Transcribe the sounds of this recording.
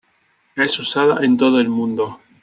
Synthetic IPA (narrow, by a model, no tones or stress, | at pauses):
esusaða̰ʔent̪oð̞oelmũnd̪o